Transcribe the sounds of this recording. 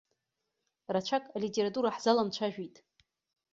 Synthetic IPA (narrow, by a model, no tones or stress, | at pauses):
rat͡ʃʷʰakʼalitʼeɾatʼuɾaħzalamt͡ʃʷʰaʒᶣitʼ